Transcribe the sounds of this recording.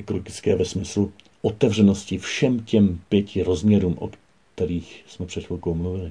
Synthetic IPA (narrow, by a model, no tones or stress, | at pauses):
ʔɛkoloɡɪt͡skɛːvɛsmɪslu | ʔo̞t̪ɛvr̝ɛno̞scɪfʃɛmcɛmpjɛcʰɪɾozmɲɛɾuːmʔo̰k | t̪ɛɾiːxsmɛpr̥ɛt̪fulkowmluvɪlɪ